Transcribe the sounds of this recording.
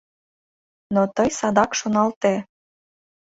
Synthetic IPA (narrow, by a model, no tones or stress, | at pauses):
not̪əjsɑd̪ɑkʃonɑlt̪e